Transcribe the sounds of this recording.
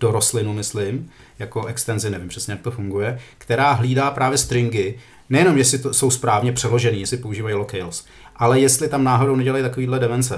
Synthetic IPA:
d̥o̞ɾoslɪnumɪslɪm | jakoʔɛkst̪ɛnzɪnɛvɪmpr̥ɛsɲɛjakt̪o̞fuŋɡujɛkt̪ɛɾaːɦliːdaːpɾaːvjɛst̪ɾɪŋɡɪ | nɛjɛno̞mjɛsɪt̪oso̞wspɾaːvɲɛpr̝̥ɛlo̞ʒɛniːjɛsɪpo̞uʒiːvajilokɛjls | ʔalɛjɛst̪lɪt̪amnaːɦo̞downɛɟɛlajt̪ako̞viːdlɛdɛvɛnt͡sɛ

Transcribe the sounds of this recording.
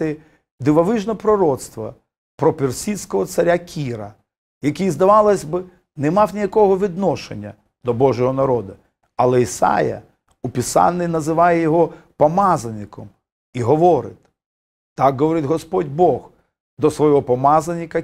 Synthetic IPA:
ɪ | d̪ɪʋɐʋɪʒnɔpɾɔɾɔt̪st̪ʋɐ | pɾɔpʲɪrsʲisʲkɔɦɔt̪sɐɾʲakʲʰiɾɐ | jɐkʲijzd̪ɐʋɑlˠɐsʲbɪ | nɛmɑwnʲijɐkɔɦɔʋʲid̪nɔʃḛnʲːɐ | d̪ɔbɔʒɔɦɔnɐɾɔd̪ɐ | ɐlˠɛisɑ̰jɐ̰ | upʲisɑ̰nːɪjnɐzɪʋɑjɛjɔɦɔpɔmɑzɐnʲɪkɔm | iɦɔʋɔɾɪ̰t̪ʲ | t̪ɑkɦɔʋɔɾɪtʲɦɔspɔdʲbɔx | d̪ɔsʋɔjɔɦɔpɔmɑzɐnʲːɪkɐ

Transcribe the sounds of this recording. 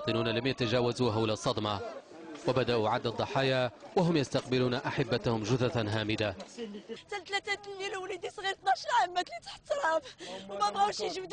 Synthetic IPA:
t̪ˤɨnuːnalamjat̪aʒaːwazuːɦawlasˤːɑd̪mɑ | wabad̪aʔuʕad̪ːɑd̪ˤːɑħɑːjawaɦʊmjast̪ɑqbɪluːnaʔaħabːat̪hʊmʒʊðat̪nɦaːmɪd̪a | t̪ælt̪læt̪æt̪ljilwlid̪isˤɣiɾt̪nɑʃɾˤʕamːæk̪lit̪ḁħt̪ːɾˤɑbwmæbɣawʃiʒwd̪

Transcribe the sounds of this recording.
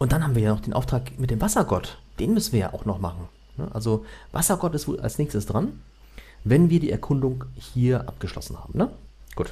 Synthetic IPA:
ʔʊnt̚d̥anhabm̩viːɐjaːnɔχd̥eːnʔa̰ʊftʁ̥aːkmɪtd̥eːmvasɐɡɔtd̥eːnmʏsn̩viːɐja̰ːʔaʊxnɔχmaχn̩ | nə̰ʔa̰lzova̰sɐɡɔtɪstv̥o̰ːlʔa̰lsnɛːçstəsd̥ʁan | vɛnviːɐdḭːʔɛɐkʰʊndʊŋhiːɐʔa̰p̚ɡ̥əʃlɔ̰sn̩ha̰ːbm̩nə | ɡ̥uːt

